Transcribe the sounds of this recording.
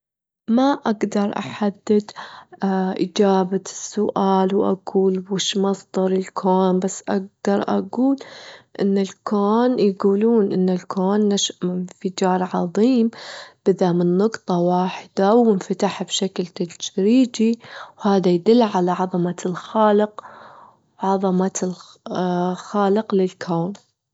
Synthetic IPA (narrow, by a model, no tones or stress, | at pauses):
maʔaɡd̪ɑɾˤʔa̰ħad̪ːɪd̪ | ʔɪd͡ʒaːbasːʊʔaːlwʔa̰ɡuːlwɪʃmɑsˤd̪ɑɾˤɪlkʰoːnbasːʔaɡ̚d̪̥ɑɾˤʔa̰ɡuːlʔɪ̰nːɪlkʰoːnjɡuːluːnʔɪnːɪlkʰoːnːaʃʔɪnfɪd͡ʒɑːɾˤʕɑðˤiːmb̥ɪðamɪnːʊqt̪ˤɑwaːħɪd̪awɪnfat̪aħbʃaklt̪ad͡ʒɾiːd͡ʒiwhaːðajd̪ɪlːʕalaʕɑðˤɑmalxaːlɪq | wʕɑðˤɑmal | xaːlɪqlɪlkʰoːn